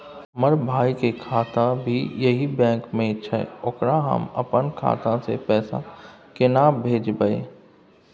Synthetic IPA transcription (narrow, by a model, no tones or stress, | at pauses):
məɾbʱaːikekʰaːt̪ãbʱijɐɦibɛ̃ːkmẽt͡ʃʰɛ̰ʊkɾaɦɐ̰mɐ̰pənkʰa̰ːt̪ãsḛpɛːsa̰kɪnabʱeːd͡ʒbəḛː